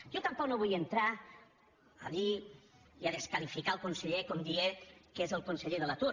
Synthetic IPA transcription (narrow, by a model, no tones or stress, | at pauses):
ʒot̪ampɔknoβujənt̪ɾa | ə̰ði | iəðəskalifikaəlˠkunsəʎekɔmd̪iekezəlˠkunsəʎeðələt̪uɾ